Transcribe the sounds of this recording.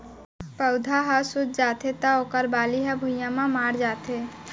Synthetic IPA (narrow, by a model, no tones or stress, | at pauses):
pəʊd̪ʱaɦasʊd͡ʒ̪d͡ʒaːt̪ʰet̪aoːkəɾbaːliɦɛbʱʊjjãmãmaːɾd͡ʒaːt̪ʰe